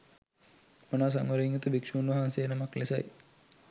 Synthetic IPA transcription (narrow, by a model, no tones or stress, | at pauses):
mɐnas̬ɐ̰ŋɐɾiŋut̪ubikʂuːnɐɦanseːnɐmɐklesɐ̰j